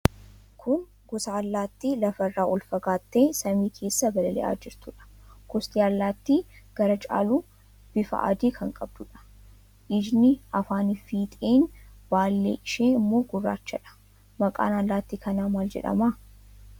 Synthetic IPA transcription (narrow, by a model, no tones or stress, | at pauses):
kʰʊn | ɡɔsaːlːaːt̪ːilɐfɐrːaːʔɔlfɐɡaːt̪ːeːsɐmiːkʰe̞ːsːɐbɐlɐlɛ̰ʔa̰ːd͡ʒɪɾt̪ʊᶑɐ̥kɔst̪ʼiːɐlːaːt̪ːiɡ̥ɐɾɐt͡ʃʼa̰ːluː | b̥ɪfɐ̰ʔɐ̰d̪iːkʰɐŋkʼɐbd̪ʊᶑɐ̥ | ʔɪd͡ʒnɪɐfaːnɪfiːt̪ʼeːnbaːlːḛːʔɪʃeːɪmːo̞ːɡʊrːa̰ːt͡ʃːɐᶑɐ̥ | mɐkʼa̰ːnɐlːaːt̪ːiːkɐnaːmaːld͡ʒɛ̰ᶑɐ̰maː